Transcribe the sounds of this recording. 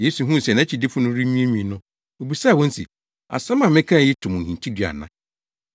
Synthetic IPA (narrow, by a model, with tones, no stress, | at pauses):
je˦su˨ɦũ˦˨sɛ˨nã˦t͡ɕʰi˨dɪ˦fʊ˦nʊ̃˦ɾi˦nĩ˦e˦mĩ˦˨nʊ̃˦ | o˨bi˨sa˦˨wɔ̃˦n̩˦sḭ˨ | a̰˨sã˦mã˨mɪ̃˦kʰã˦˨jɪ˦tʰʊ̃˨m̃˨n̩˨hĩ˨ntʰi˦dɥa̰˨nã˦